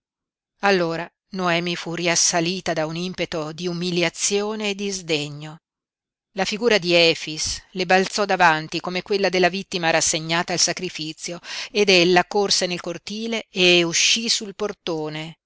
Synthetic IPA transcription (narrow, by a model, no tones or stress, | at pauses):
alːoːɾa | noɛːmifuriasːaliːt̪ad̪aunimpet̪od̪iumiljat̪sjoːneːd̪ːizd̪eɲːo | lafiɡuːɾad̪iɛːfislebalt̪sɔd̪avant̪ikomekwelːad̪elːavit̪ːimaɾasːeɲːaːt̪aːlsakɾifit̪sːjoed̪elːakorsenelkort̪iːleːuʃːisulport̪oːne